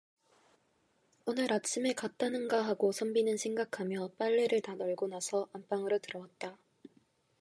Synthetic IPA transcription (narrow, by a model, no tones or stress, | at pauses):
onɯɾat͡ɕʰime̞kat̚t͈anɯnɡaɦaɡosʰʌmbinɯnsʰeŋɡakʰamjʌp͈aɭːeɾɯɭtanʌɭɡonasʰʌʔamp͈aŋɯɾotɯɾʌwat̚t͈a